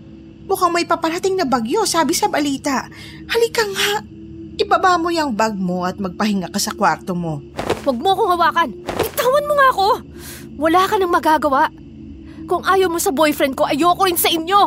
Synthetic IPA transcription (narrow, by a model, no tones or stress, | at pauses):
mʊkaŋmɐjpɐpɐɾɐt̪ɪŋnɐbɐɡjo̞saːbɪsɐbɐliːt̪ɐʔ | hɐlɪkɐŋaʔ | ʔɪbɐbamojɐŋbɐɡ̚mo̞ʔɐt̪̚mɐɡ̚pɐɦɪŋakɐsɐkwaɾt̪omo̞wɐɡ̚moɐkoŋɐwaːkɐnɪt̪aːwɐnmoŋaɐko̞ | wɐlaːkɐnɐŋmɐɡaːɡɐwaʔ | kʊŋʔaːjowmosɐbojfɾɛnd̪̚ko̞ʔɐjoːɐkoɾɪnsɐʔɪɲjo̞